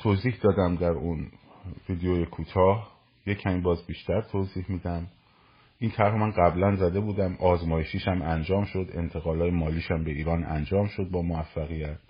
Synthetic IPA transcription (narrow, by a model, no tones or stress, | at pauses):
t̪ʰoːziːhd̪ɒːd̪æmd̪æɾun | viːd̪ejojekʰuːt̪ʰɒːh | je̞cʰæmiːbɒːzbiːʃt̪æɾt̪ʰoːziːhmiːd̪æm | ʔiːnt̪ʰæɾɦomænɢæblænzæd̪e̞buːd̪æmʔɒːzmɒːjeʃiːʃæmʔænd͡ʒɒːmʃo̞d̪e̞̰nt̪ʰe̞ɣɒːlɒːjemɒːliːʃæmbe̞iːɾɒːnæ̰nd͡ʒɒːmʃod̪̚bɒːmovæfːæɣijæt̪